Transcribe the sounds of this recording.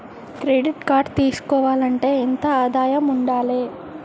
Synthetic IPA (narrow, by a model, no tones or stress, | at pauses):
kɾeːɖiʈkaːɾɖt̪iːsu̥kɔːʋaːlɐɳʈe̞ːint̪ɐaːd̪aːjɐmuɳɖaːleː